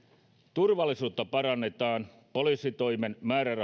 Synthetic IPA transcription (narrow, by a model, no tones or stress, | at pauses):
t̪urʋɑlːisuːt̪ːɑpɑɾɑnːet̪ɑːn | polisit̪ojmenmæːɾærɑ